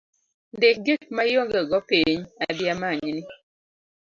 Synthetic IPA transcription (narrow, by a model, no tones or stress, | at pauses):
ndek̚ɡek̚majoŋɡeɡɔpiɲadɪamaɲnɪ